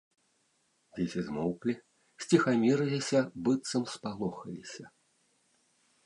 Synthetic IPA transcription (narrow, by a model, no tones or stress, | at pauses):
vʲesʲizmɔwklʲi | sʲt͡sʲixamʲiɾɨlʲisʲɐbɨt̪sɐmspalˠɔxɐlʲisʲɐ